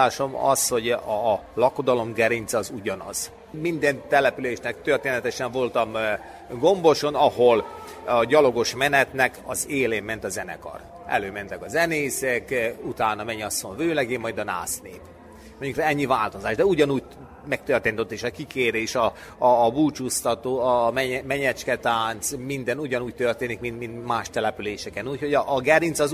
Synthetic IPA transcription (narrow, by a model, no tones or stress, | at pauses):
aːʃo̞mɒ̰sho̞ɟlɒko̞d̪ɒlo̞mɡɛɾint̪sɒzuɟɒnɒ̰z̥ | mind̪ɛnt̪ɛlɛpyleːʃnɛk̚t̪ørt̪eːnɛt̪ɛʃɛɱvo̞lt̪ɒm | ɡo̞mbo̞ʃo̞nɒhol | ɒɟɒlo̞ɡo̞ʃmɛnɛt̪nɛkɒzeːleːmːɛnt̪ɒzɛnɛ̰kɒ̰r | ɛ̰løːmɛnt̪ɛkɒzɛneːsɛkut̪aːnɒmɛɲːɒsːoɲvøːlɛɡeːmːɒjd̪ɒna̰ːsnḛːp | moɲɟukrɛɛɲːivaːlt̪o̞zaːʒd̪ɛuɟɒnuːɟ̚ | mɛk̚t̪ørt̪eːnt̪ot̪ːeːʃɒkikeːɾeːʃɒː | buːt͡ʃust̪ɒt̪oːɒmɛmɛɲɛt͡ʃkɛt̪aːnt̪smind̪ɛnuɟɒnuːc̚t̪ørt̪eːnikmint̪mint̪maːʃt̪ɛlɛpyleːʃɛkɛnuːcho̞ɟɒʔːɡɛɾinsɒz